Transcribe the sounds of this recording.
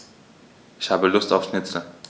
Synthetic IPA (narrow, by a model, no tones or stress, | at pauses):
ʔɪçhaːbəlʊsta̰ʊfsʃnɪt͡sl̩